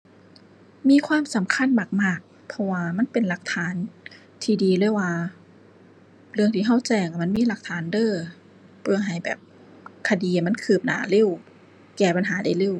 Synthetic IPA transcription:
miː˧˥˨kʰwaː˧˥˨msa˨˦mkʰa˧˥˨nmaː˨˩k̚maː˧˥˩k̚ | pʰɔ˧waː˧ma˧˥˨npe˨nla˧˦k̚t̪ʰaː˨˦n | t̪ʰiː˧˩diː˨˧lɤː˧˥˨jwaː˧ | lɯ˧əŋt̪ʰiː˧˩ɦa˧˥˩wt͡ɕɛː˧˩ŋa˧˩m˧˥˨nmiː˧˥˨la˧˩k̚t̪ʰaː˨˦ndɤː˧˥˨ | pʰɯ˧˩ɐɦa˨˩jbɛ̰ː˨˩p̚ | kʰa˧diː˨˧˨ma˧˥˨kʰɯː˨˩p̚na̰ː˨˦le˧˥˨w | kɛː˧˩pa˨nɦaː˨˦da˧˩jle˧˩˨w

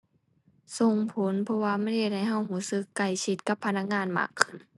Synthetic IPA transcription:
so˨˩ŋpʰo˨˦npʰɔ˧waː˧ma˧˥˨nhe˧˩t̪̚ha˧˩jɦa˧˩˨wɦuː˧˦sɯ˧˥kːa˧˩jkʰi˧˦t̪̚ka˧˦pʰːa˧na˧˥k̚ŋaː˧˥˨nma̰ː˧˩kʰːɯ˧˩n

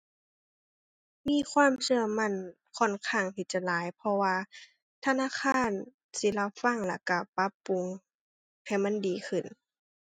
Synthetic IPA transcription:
miː˧˥˨kʰwaː˧˥˨msɯ˧ɐəma˧˨n | kʰɔ˧˩˨nkʰaː˧˩˨ŋt̪ʰiː˧˩t͡ɕa˧˨laː˨˦jpʰɔ˧waː˧ | t̪ʰa˧naː˧˥˨kʰaː˧˥˨n | si˧˦la˧˩wfa˧˥˨ŋla˧˩ka˧˩pa˧˦˥pːu˨˧˦ŋ | ha˧˨˩jma˧˥ndiː˨˦kʰɯ˧˩n

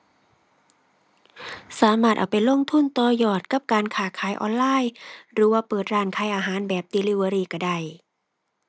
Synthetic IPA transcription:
saː˨˦maː˧˩t̪̚ʔa̰ː˨˩wpa˨˩jlo˧˥˨ŋt̪ʰu˧˥˨nt̪ɔː˧jɔː˨˩t̪̚ka˧˥p̚kaː˧nkʰaː˧˩kʰaː˨˦jʔɔ̰ː˧˨nlaː˧˥˨jɾɯː˨˦waː˧pɤː˨˩t̪̚ɾaː˧˩nkʰa˧˩jʔaː˧ɦaː˨˦nbɛː˨˩p̚d̪iː˧liː˧˩waː˧ɾiː˧˩ka˧˩da˧˩j

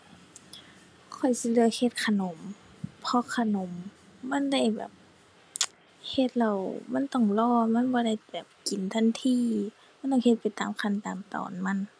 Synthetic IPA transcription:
kʰɔ˨˩jsi˧˦lɯ˧əkhe˧t̪̚kʰa˧no˨˦m | pʰɔ˧kʰa˧no˨˦mːa˧˥˨nda˧˩jbɛ̰ː˨˩p̚ | he˧t̪̚la˧˩wma˧˥˨nt̪ɔ˧˩ŋlɔː˧˩ma˧˥˨nbɔː˧da˧˩jbɛː˨˩p̚ki˨nt̪ʰa˧˥˨nt̪ʰiː˧˥˨ | ma˧˥n˨t̪ɔ˧˥˩ŋhe˧t̪̚pa˨jt̪aː˨mkʰa˧˨nt̪aː˨mt̪ɔ̰ː˨nma˧˥˨n

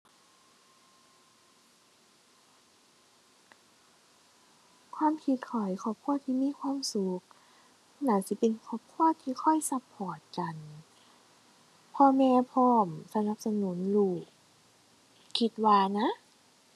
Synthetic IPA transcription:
kʰwaː˧˥˨mkʰi˧˦t̪̚kʰɔ˨˩jkʰɔː˧˩p̚kʰu˧˥˨ɐt̪ʰiː˧˨miː˧˥˨kʰwaː˧˥˨msu˨˦k̚ | na˧˦si˧˦pe˨nkʰɔː˧˩p̚kʰu˧˥˩ɐt̪ʰiː˧kʰɔ˧˥˩jsa˧pʰːɔː˨˩t̪̚ka˨n | pʰɔː˧mɛː˧pʰɔː˧˩msa˧na˧˦p̚sa˧nuː˩˦nluː˨˩k̚ | kʰi˧˦t̪̚waː˧na˧˥

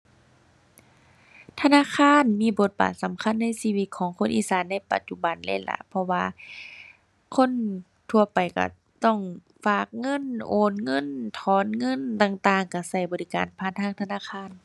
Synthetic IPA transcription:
t̪ʰa˧naː˧˥˨kʰaː˧˥˨nmiː˧˨bo˧˦t̪̚ba̰ː˨˩t̪̚sa˨˦mkʰa˧˥˨nːa˧˥˨jsiː˧wi˧t̪̚kʰɔː˨˦ŋkʰo˧˥˨nʔḭː˧˨saː˨˦nːa˧˥˨jpa̰˧t̪̚t͡ɕu˧ba˨nlɛ̰˧˥˩nla̰˧˦pʰɔ˧waː˧ | kʰo˧˥˨n | t̪ʰu˧ɐpa˨jka̰˧˩ | t̪ɔ˧˩ŋ | faː˧˩k̚ŋɤ˧˥˨nʔoː˨˩nŋɤ˧˥˨nt̪ʰɔː˨˦nŋɤ˧˥˨nt̪aː˧˩ŋt̪aː˧˨ŋka˧˩sa˧˩jbɔː˨li˧˩ka̰ː˨npʰaː˧˥˨nt̪ʰaː˧˥˨ŋt̪ʰa˧naː˧˨kʰaː˧˥˨n

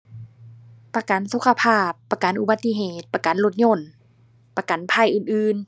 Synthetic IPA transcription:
pa˧ka˨˦nsu˧˦kʰa˧pʰaː˥˩pːa˧ka˨˦nʔu˧ba˧t̪ːi˧˨ɦeː˧˩t̪̚pa˧ka˨˦nlo˧t̪̚ɲo˧˥˨n | pa˧ka˨npʰa˧˩jʔɯː˨˧˨nʔɯː˧n

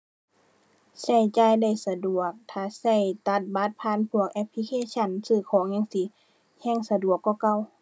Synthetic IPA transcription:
sa˧˩jt͡ɕaː˧˩˨jda˧˩jsa˧du˨˩ək̚t̪ʰaː˧˨sa˧˩˨jt̪a˧˥t̪̚ba˧˦t̪̚pʰaː˧˥˨npʰu˧˩ək̚ʔɛ˧˥pʰːli˧kʰeː˧˥sʰa˧˥˨nsɯː˧˩kʰɔː˨˦ŋɲa˧˨ŋsi˧˦ | hɛː˧˥˨ŋsa˧du˨˩əkːɔː˧˩ka˧˩˨w

